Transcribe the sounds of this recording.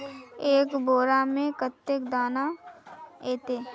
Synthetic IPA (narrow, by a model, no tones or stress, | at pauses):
eːkboːɾamẽkət̪ːekd̪aːna | eːt̪eː